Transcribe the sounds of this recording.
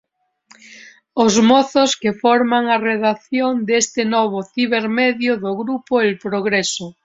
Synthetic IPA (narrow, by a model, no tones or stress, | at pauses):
ozmɔθoskefɔɾmaŋareðaθjond̪est̪ɪnɔβ̞oθiβeɾmeðjoðoɣɾupoelpɾoɣɾeso